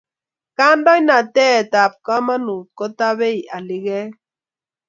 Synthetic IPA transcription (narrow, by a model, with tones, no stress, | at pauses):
ka˦ndɔ˦ɲ˦na˨tɛ˦˨ta˨p̚ka˦ma˦nu˨t̚kɔ˦ta˦βe˦i˨ʔa˨lɪ˦ɣɛ˦